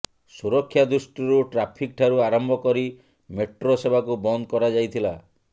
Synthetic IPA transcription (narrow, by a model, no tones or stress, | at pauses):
suɾɔkʰːjad̪ɾusʈiɾuʈɾapʰik̚ʈʰaɾuaɾɔmbʱɔkɔɾi | meʈɾosebʱakubɔnd̪kɔɾad͡ʒajt̪ʰila